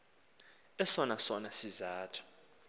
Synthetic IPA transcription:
ɛsɔnasɔnasizaːtʰu̥

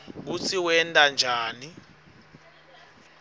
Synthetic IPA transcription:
k̬ut͡sʰiwɛntʼand͡ʒʱaːni

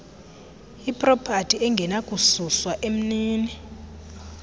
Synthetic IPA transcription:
ipʼrɔpʰatʰʼiɛŋɡʱɛnakʼususwaʔem̩niːni

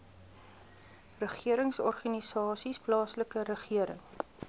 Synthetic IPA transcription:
rəχiəɾəŋsɔrχanisɑːsisplɑːsləkəɾəχiəɾə̰ŋ

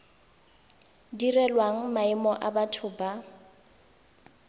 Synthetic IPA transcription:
dirɛlwaŋ̩maimɔʔabatʰʊba

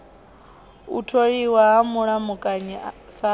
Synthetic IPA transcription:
ṵtʰoɺiwaɦamuɺamukʼaɲisa

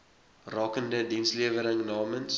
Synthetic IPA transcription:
rɑːkəndədinsliəvəɾəŋnɑːməns

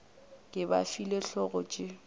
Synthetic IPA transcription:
kʼɪba̰fileɬɔɣʊt͡ʃʼɪ

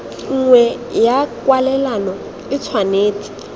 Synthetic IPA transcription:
ŋ̩ŋwɛ | jakwalɛlanɔ | ɪt͡sʰwaneːt͡sʼi̥

